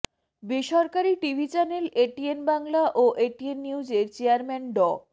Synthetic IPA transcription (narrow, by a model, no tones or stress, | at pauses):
biʃɔɾkaɾiʈibʱit͡ɕɛneleʈienbaŋlaʔoʔeʈienːiud͡ʑeɾt͡ɕeaɾmɛnɖɔ